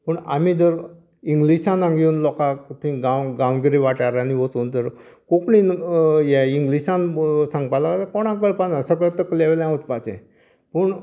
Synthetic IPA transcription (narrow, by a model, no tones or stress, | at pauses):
pəɳa̰m̤id͡zəɾ | iŋɡliɕãnãŋɡjuːnlɔkat̪uĩɡãwɡãwɡiɾiʋaʈaɾaniʋot͡suːnd͡z̪əɾ | kokɳinjɛiŋɡliɕãnsãŋɡpalat̪akɔɽ̃ãk̬əɭpanəsək̬əɭt̪əkleʋlãot͡spat͡sḛ̃ | pəɳ